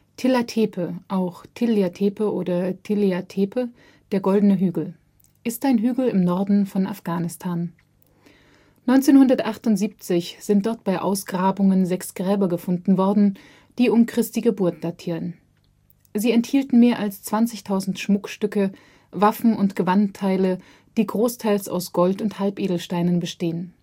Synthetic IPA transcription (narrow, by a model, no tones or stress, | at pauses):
tʰɪlatʰeːpʰəʔaʊxtʰɪleatʰeːpəʔoːdɐtʰɪleatʰeːpʰə | d̥eːɐɡɔldən̩əɦyːɡl̩ | ʔɪstʔaɪnɦyːɡl̩ɪmnɔɐdn̩fɔna̰fɡ̥aːnɪstʰaːn | nɔʏnt͡seːnhʊndɐtʔaχtʊntz̥iːp̚t͡sɪçz̥ɪntd̥ɔɐt̚b̥aɪʔa̰ʊsɡ̥ʁaːbʊŋənzɛksɡ̥ʁɛːbɐɡəfʊndn̩vɔɐdn̩ | d̥iːʊmkʁ̥ɪstiɡəbʊɐt̚d̥atʰiːʁən | ziːɛnthiːltn̩meːɐʔalst͡sv̥ant͡sɪçtʰaʊzn̩tʃmʊkʃtʏkə | vafn̩ʊntɡ̥əvantʰːaɪlə | d̥iːɡʁoːstʰaɪlsa̰ʊsɡ̥ɔltʊnthalpʔeːdl̩ʃtaɪnənbəʃteːən